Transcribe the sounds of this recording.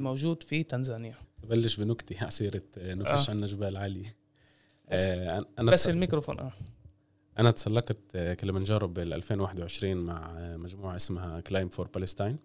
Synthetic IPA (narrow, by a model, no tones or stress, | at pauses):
mowʒuːd̪fit̪anzaːnjat̪balːɪʃbɪnʊkt̪ihʔɑsˤiːɾɪt̪nafiʃʕanːaʒɪbaːlʕaːli | ʔʔaʔanaasɪlmikɾofo̰ːnʔaː | ʔanat̪sˤɑlːɑqt̪kɪlːmanʒɑːɾˤɑbɪlʔa̰lfeːnwaːħɪd̪wʕɪʃɾiːnmaʕmaʒmuːʕaʔɪsmhaklajmfoɾpalɪst̪ijn